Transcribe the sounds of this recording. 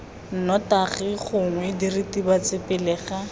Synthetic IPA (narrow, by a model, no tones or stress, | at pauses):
n̩nɔtaχɪχʊŋwɪdiritibat͡sɪpɪlɛːχa